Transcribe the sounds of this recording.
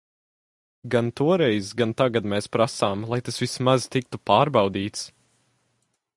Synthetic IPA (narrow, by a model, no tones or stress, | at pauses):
ɡant̪uɔɾɛjzɡant̪aɡad̪mɛːspɾasaːmlˠajt̪asvismazt̪ik̚t̪upaːɾbɑwd̪iːt̪s